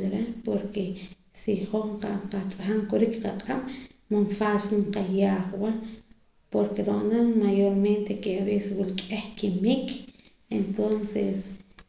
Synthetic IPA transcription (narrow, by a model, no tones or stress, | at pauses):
ɾepoɾke | siχoqaqat͡sʼaxaŋkoɾikqaqʼammanfasɴqajaːχwa | poɾkeɾoʔnamajoɾment̪ekeaβeʔseswulkʼehkimik | ent̪onses